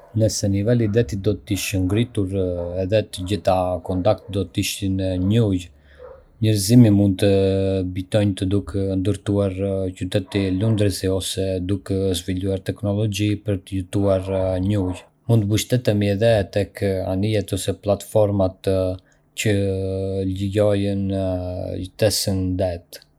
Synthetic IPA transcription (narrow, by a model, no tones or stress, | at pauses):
nəsɛnivɛlid̪ɛt̪id̪ɔt̪iʃəŋɡɾit̪uɾɛðɛt̪əd͡ʑiθakɔnt̪ak̚t̪d̪ɔt̪iʃinɲuj | ɲəɾzimimund̪̚t̪əbit̪ɔjɲt̪əd̪ukɛnd̪əɾt̪uaɾcyt̪ɛt̪ilund̪ɾəsiɔsɛd̪ukɛzviluaɾt̪ɛknɔlɔd͡ʑipəɾt̪əjut̪uaɾɲuj | munt̪əbəʃt̪ɛt̪ɛmiɛðɛt̪ɛka̰nijɛt̪ɔsɛplat̪fɔɾmat̪ | t͡ɕə | lijɔjən | t̪ɛsənd̪ɛt̪